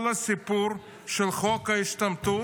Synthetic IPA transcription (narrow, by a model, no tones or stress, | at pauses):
lɐsipuɾ | ʃelχokhaiʃt̪ɐmt̪u